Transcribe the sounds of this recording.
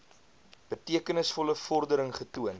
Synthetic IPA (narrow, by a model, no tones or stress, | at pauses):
b̥ətiəkənəsfɔləfɔrdəɾəŋχətuən